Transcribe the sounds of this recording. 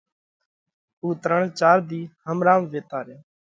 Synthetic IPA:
uːt̪ɾəɳt͡ʃaːɾd̪iːhəmɾãːmʋeːt̪aːɾeː

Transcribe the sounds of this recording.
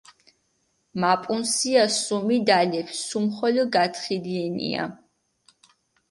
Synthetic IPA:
mapʼunsiasumid̪alɛpʰsumχɔlɔɡat̪ʰχiliɛnḭa̰

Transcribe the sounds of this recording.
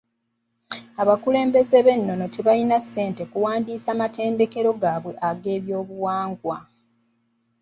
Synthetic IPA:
aβakule̞ːmbe̞ze̞βe̞nːo̞no̞te̞βalinasːe̞ːnte̞kuwaːndiːsamate̞ːnde̞ke̞ɾo̞ɡaːβwe̞ʔaɡe̞ːβjo̞ːβuwaːŋɡwa

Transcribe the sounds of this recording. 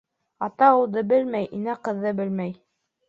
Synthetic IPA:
ɑt̪ɑulˠd̪ɤbɘlmæjʔinæqɤ̆ðːɤbɘlmæj

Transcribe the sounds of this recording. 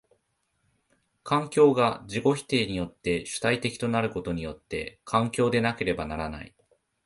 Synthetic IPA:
kʰãŋkʲo̞ːɡad͡ʑiɡo̞çi̥t̪e̞ːɲ̟ijo̞t̪ːe̞ɕɨ̥t̪ait̪e̞kʲi̥t̪o̞naɾɯ̟ko̞t̪o̞ɲ̟ijo̞t̪ːe̞̰kʰãŋkʲo̞ːd̪e̞nake̞ɾe̞banaɾana̰ḭ

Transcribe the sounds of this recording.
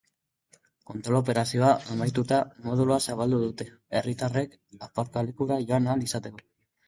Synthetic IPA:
ko̞nt̪ɾo̞lo̞p̬e̞ɾasio̞aʔemajt̪ut̪amo̞ð̞uluasaβ̞ald̪uðut̪e̞ | erit̪are̞k | apaɾkalekuɾaʝo̞analisat̪e̞ko

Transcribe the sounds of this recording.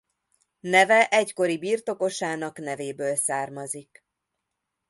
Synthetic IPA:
nɛvɛʔɛcko̞ɾibiːrt̪o̞ko̞ʃaːnɒknɛveːbøːlsaːrmɒzik

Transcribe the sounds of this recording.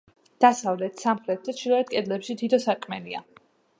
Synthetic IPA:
d̪̥asavlɛt̪ʰsamχɾɛt̪̚d̪at͡ʃʰiɾaɛt̪̚kʼɛd̪lɛpʃid̪ʰid̪ɔsakʼmɛlia̰

